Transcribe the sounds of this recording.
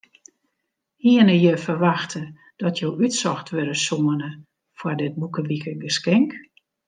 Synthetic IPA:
hiənəjəfərʋaxtʰə | d̥ɔtʰjowytsɔxtʋødəsoənə | fwɔrdɪt̚bukəʋikəɡəskɛŋk

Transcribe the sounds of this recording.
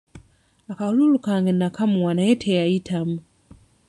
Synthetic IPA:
akahululukaŋɡenakʰamuwanajetʰejaitʰamu

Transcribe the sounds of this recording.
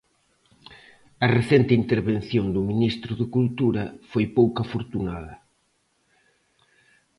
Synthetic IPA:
ɐreθent̪ɪint̪eɾβenθjond̪ʊminist̪ɾʊðɪkult̪uɾɐfojpowkafoɾt̪unaðɐ

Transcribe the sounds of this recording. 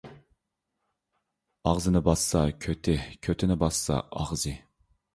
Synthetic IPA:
ɑʁzɨnɪbɑssɑkʲʰøt̪ʰɪkʲʰøt̪ʰɪnɪbɑsːɑ̰ɑ̰ʁzɨ

